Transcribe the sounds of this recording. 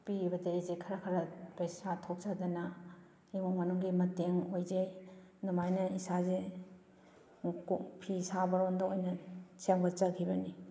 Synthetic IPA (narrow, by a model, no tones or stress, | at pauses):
pibɐdezekʰɐɾɐkʰɐɾɐpɐjsatʰok̚z̥ad̪ɐnɐ | imoŋmɐnuŋɡimɐteŋojzenumajnɐisaze | pʰisabɐɾondɐojnɐt͡ʃeŋbɐt͡ʃɐkʰibɐni